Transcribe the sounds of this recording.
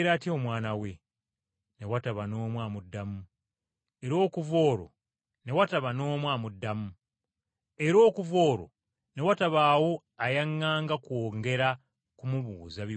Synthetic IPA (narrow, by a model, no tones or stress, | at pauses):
ɾaːtjeomwaːnawe | ne̞wataβano̞ːmwaːmudːamu | e̞ɾo̞ːkuvo̞ːɾo̞̰ | ne̞wataβano̞ːmwaːmudːamu | e̞ɾo̞ːkuvo̞ːɾo̞̰ | ne̞wataβaːwo̞ | ajaŋːaːŋɡakwoːŋɡe̞ɾa | kumuβuːzaβi